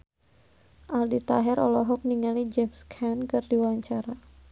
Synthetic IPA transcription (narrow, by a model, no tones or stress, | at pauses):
ʔaldit̪aɦɛɾʔɔ̰lɔɦɔk̚niŋalid͡ʒɛmskʰankɨrdiwaɲt͡ʃaɾa